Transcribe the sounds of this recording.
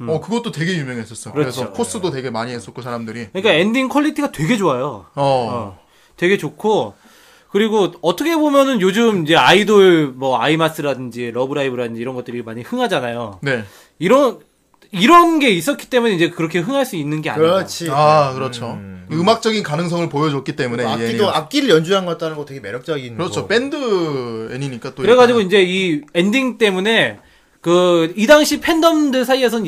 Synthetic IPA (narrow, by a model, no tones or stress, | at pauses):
ʌkɯɡʌt͈otwe̞ɡe̞jumjʌŋɦes͈ʌs͈ʌkɯɾʌɾet͡ɕʰʌokʰos͈ɯdote̞ɡe̞maɲiɦes͈ʌkʰosʰaɾamdɯɾikɯɲik͈ae̞ndiŋkʰʌʎːitʰiɡatwe̞ɡe̞d͡ʑoajoʌ | twe̞ɡe̞t͡ɕokʰo | kɯɾiɡoʌtʰʌkʰe̞bomjʌnɯnjod͡ʑɯmid͡ʑe̞aidoɭmʌaimas͈ɯɾadɯnd͡ʑiɾʌbɯɾaibɯɾadɯnd͡ʑiːɾʌnɡʌt͈ɯɾimaɲihɯŋɦad͡ʑanajone̞ | iɾʌn | iɾʌnɡe̞is͈ʌtk͈ʰi̥t͈e̞mune̞iɲd͡ʑe̞kɯɾʌkʰe̞ɦɯŋɦaɭs͈uinːɯnɡe̞a̰ɲʌt͡ɕʰiakɯɾʌt͡ɕʰoɯmak̚t͡ɕ͈ʌɡinkanɯŋs̬ʰʌŋɯɭpojʌd͡ʑʌk͈̚it͈e̞mune̞ioap̚k͈iɾɯɭjʌnd͡ʑuɦanɡʌt͈̚anɯnɡʌtʰeɡeme̞ɾjʌp̚t͡ɕ͈ʌɡinkɯɾʌt͡ɕʰop͈e̞ndɯeɲiɲik͈at͈okɯɾeɡad͡ʑiɡoind͡ʑe̞iendiŋt͈e̞mune̞ | kɯidaŋɕʰipʰe̞ndʌmdɯɭsʰaies̬ʰʌn